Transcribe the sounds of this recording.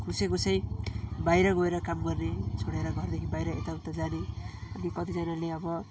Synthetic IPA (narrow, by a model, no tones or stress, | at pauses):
kʰusekot͡sʌj̃bajɾʌɡoeɾʌkamɡʌrnet͡sʰoɽeɾʌɡʱʌrd̪ekʰibajɾʌḛt̪aut̪ad͡zaneʌnikʌt̪id͡zʌnaleʌbʌ